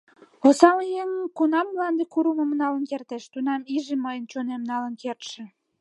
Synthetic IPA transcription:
osɑljeŋəmkunɑmːlɑnd̪ekuɾuməmnɑlənkert̪eʃt̪unɑmiʒeməjənt͡ɕonemnɑlənkert̪ʃĕ

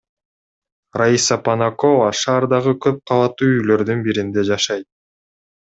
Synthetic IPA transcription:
raisapanako̞vaʃɑːɾd̪ɑʁɯkʰø̞p̚qʰɑlˠɑt̪ːuːyjlø̞ɾd̪ynbiɾind̪e̞d͡ʒɑʃɑjt̪̚

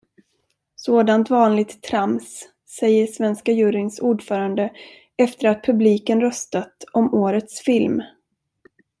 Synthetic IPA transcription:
soːd̪ant̪vɑːnlɪɡ̚t̪ʰːɾamsː | ɛjːəʂvɛnskajʉːɾɪŋsuːɖfœːɾand̪ə | ɛft̪əɾat̪̚pʰɵbliːkənɾœst̪at̪ɔmoːɾət̪sfɪlm

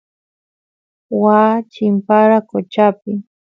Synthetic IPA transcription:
waːt͡ʃɪmpaɾakot͡ʃapɪ

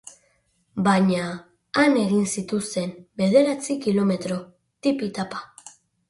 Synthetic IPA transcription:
baɲaː | ne̞ɣinsit̪ust̪e̞mbe̞ðe̞ɾat͡sikilo̞me̞t̪ɾo̞ | t̪ipit̪apḁ

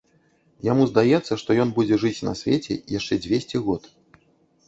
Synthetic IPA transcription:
jamuzd̪ajɛt̪sːɐʂt̪ɔjɔnbud͡zʲɛʐɨt͡sʲnɐ̰sʲvʲet͡sʲɛ̰jaʂt͡ʂɛd͡zʲvʲesʲt͡sʲɛɣɔt̪

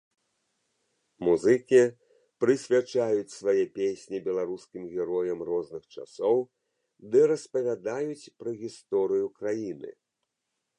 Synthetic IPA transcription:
muzɨkʲi | pɾɨsʲvʲat͡ʂajut͡sʲsvajɛpʲesʲnʲibʲɛlˠaɾuskʲimɣʲɛɾɔjɐmrɔznɨxt͡ʂa̰sɔw | d̪ɨɾɐspɐvʲad̪ajut͡sʲpɾɐɣʲist̪ɔɾɨjukɾajinɨ̰

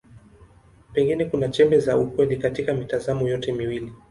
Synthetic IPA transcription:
pɛŋɡinɛkunat͡ʃɛmbɛzaukwɛlikatikamitazamɔjɔtɛmiwili

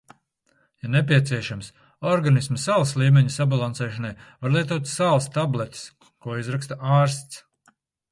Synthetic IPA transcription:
janep̬ʲiɛt̪siɛʃams | ɔɾɡanismɐsalˠslˠiːmʲɛɲusabalˠansɛːʃanajvaɾlˠiɛt̪uɔt̪salˠst̪ablˠet̪i̥s | kuɔizɾakst̪aʔaːɾst̪s

